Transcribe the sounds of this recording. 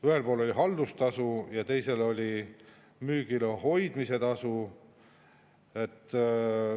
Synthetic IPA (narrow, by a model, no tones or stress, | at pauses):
yhe̞lpoːlo̞lʲiɦɑld̪ust̪ɑsujɑt̪e̞jse̞lo̞lʲi | myːɡ̥ileɦo̞jd̪̥mise̞t̪ɑsu | e̞t̪ːˑ